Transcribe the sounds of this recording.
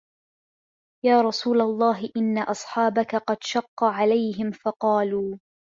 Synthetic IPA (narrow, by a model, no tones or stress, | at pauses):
jaːɾˤɑsuːlalˤːɑːɦɪʔɪnːaʔɑsˤħɑːbakaqɑd̪ʃɑqːɑʕalajɦɪmfɑqɑːluː